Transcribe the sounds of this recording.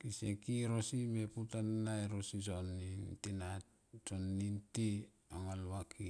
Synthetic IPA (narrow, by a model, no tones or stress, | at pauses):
kisekiɾosimeputanːajɾosisonːintinat | sonːinti | aŋalwakʰi